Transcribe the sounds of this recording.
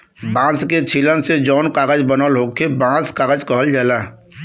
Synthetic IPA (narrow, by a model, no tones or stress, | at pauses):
bãːsket͡ʃʰiːlənsed͡ʒɔːnkaːɡəd͡ʒbənəlɦoːkʰebãːt͡skaːɡəd͡ʒkəɦəld͡ʒaːlaː